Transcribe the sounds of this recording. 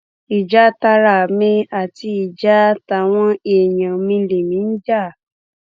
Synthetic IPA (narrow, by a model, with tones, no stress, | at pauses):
i˨d͡ʒa˨˦ta˧ɾa˦˨mĩ˧a˦˨ti˧i˨d͡ʒa˦ta˧˨w̃ɔ̃˦e˨jã˨mĩ˧˦le˨mĩ˨˦n̩˦d͡ʒa˦˨